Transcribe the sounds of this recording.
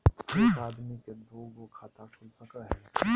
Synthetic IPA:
ɪnaːd̪miked̪oːɡokʰaːt̪akʰʊlsɐkaɦɛː

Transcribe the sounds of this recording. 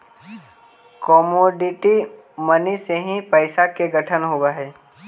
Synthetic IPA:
kɔːmoːɖɪʈi | məniseɦĩpəɪsakeɡəʈʰənɦoɡaɦɛː

